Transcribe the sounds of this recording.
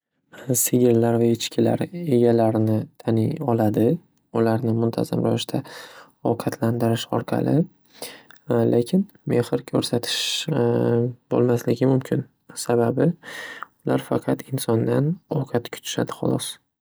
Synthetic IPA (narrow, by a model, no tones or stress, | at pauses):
sɪɡʲɪlːaɾvaɪt͡ʃkʲʰɪla̰ɾe̞ɡʲalaɾnɪt̪ʰanɪŋɒlad̪ɪ | ʊlaɾnɪmʊnt̪ʰa̰za̰mɾa̰vɪʃt̪ʰa | ɒqʰɑt̪ʰland̪ɪɾɪʃɒɾqʰɑ̰lɪ | lʔekʲʰɪn | me̞χɪɾkʲʰɵɾsat̪ʰɪ̥ʃ | b̥o̰lˠmaslɪɡʲɪmʊmkʲʰɪn | sababɪ | ʊlaɾfɑqʰɑt̪ʰɪnsɒnd̪anɒqʰɑt̪kʰʊ̥t͡ʃ̪ʰɪ̥ʃa̰d̪ɪχɒ̰lˠɒs